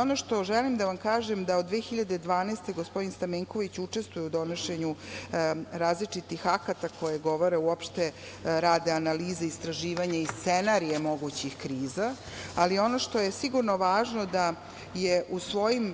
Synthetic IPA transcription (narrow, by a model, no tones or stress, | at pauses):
onoʃt̪o̞ʒelimd̪aʋamkaːʒemd̪aod̪ːʋeːxiʎad̪ed̪ʋaːnest̪e̞ɡospo̞d̪inst̪ameŋko̞ʋit͡ɕut͡ʂe̞st̪vujeud̪o̞noʃe̞ɲu | ɾaːzlit͡ʂit̪ixakat̪ako̞jeɡo̞ʋo̞ɾe̞uopʃt̪e | ɾaːd̪eanaliːzeist̪ɾaʒiːʋaɲaist̪senaɾijemo̞ɡut͡ɕixkɾiːza | alio̞no̞ʃt̪o̞je̞siɡuɾno̞ʋaːʒno̞d̪a | jeʔusʋo̞jim